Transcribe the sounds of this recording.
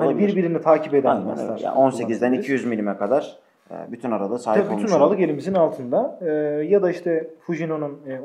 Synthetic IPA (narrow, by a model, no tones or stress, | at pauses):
hanbiɾbiɾinit̪ʰaːcʰiped̪æ̰sʲaɾa̰onse̞cizd̪ænicʰijyzmilʲimɛkʰad̪aɾ̥ | ɛ̰ːbyt̪ʰynaɾalˠɯsaːboylˠmʰynaɾalˠɯke̞lʲimizinnalˠt̪ʰɯnd̪aɯjad̪aiʃt̪ʰɛfuʒino̞nunː